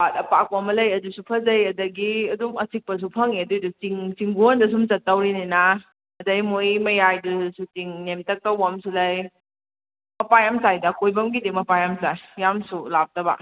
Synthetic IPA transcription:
atɐpak̚wamɐlɐjɐdusupʰɐzɐjɐdɐɡiɐdumɐsik̚pɐs̬upʰɐŋiɐdujdut͡siŋsiŋɡundɐs̬umt͡ʃɐtːawɾinijna | ɐdɐjmojmɐjajdusutiŋnemtɐk̚tawamsulɐj | mɐpajamsajdɐkojbɐmɡidemɐpajamsajːamsulap̚tɐba̰

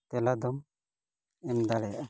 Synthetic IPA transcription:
t̪ɛlad̪ɔm | ɛmd̪aɽɛjaʔa

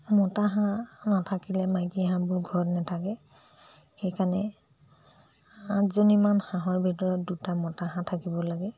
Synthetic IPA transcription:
mɔtaɦãnatʰakilɛmajkiɦãbʊɹɡʱɔɹnɛtʰakɛ | xɛjkʰanɛ | atzonimanxãɦɔɹbʱitɔɹɔt̚dutamɔtaɦãtʰakibɔlaɡɛ

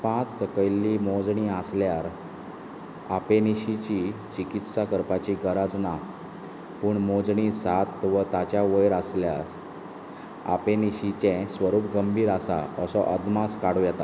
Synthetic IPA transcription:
pãt͡ssəkəjlːimod͡zɳiasljaɾ | apeniɕit͡ɕit͡ɕikit̪sakəɾpat͡ɕiɡəɾad͡zna | puːɳmod͡zɳisat̪ʋət̪at͡ɕjaʋəjɾasljas | a̰peniɕit͡ɕɛ̃sʋəɾuːpɡəmbʱiːɾasa̰əsɔʔəd̪maskaɽujɛt̪a

